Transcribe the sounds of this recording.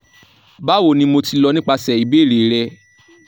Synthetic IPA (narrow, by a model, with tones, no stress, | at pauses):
ba˦wo˦˨nĩ˧mo˧ti˧lɔ˧nĩ˦k͡pa˧sɛ˨i˨˦be˨˦˨ɾe˨˦ɾɛ˧